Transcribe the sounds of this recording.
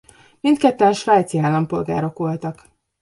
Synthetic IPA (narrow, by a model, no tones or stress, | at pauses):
mint̪kɛt̪ːɛnʃʋaːt̪siaːlɒmpo̞lɡa̰ːɾo̞kʋo̞lt̪ɒk